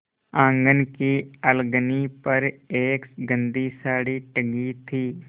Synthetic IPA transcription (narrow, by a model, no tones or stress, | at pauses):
ãːŋɡənkiəlɡənipɐɾeːksɡə̃nd̪isaːɽiʈəɡit̪ʰiː